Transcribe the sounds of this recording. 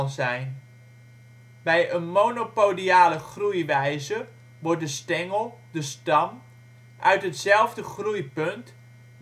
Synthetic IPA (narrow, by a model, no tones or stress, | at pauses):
lˠzɛjn | bɛjənmonopowliaːləχrujʋɛjzə | ʋɔɹt̚dəstɛŋəlˠ | dəstɑm | ʔœ̰ɥtɦətsɛlˠvdəχrujpɵnt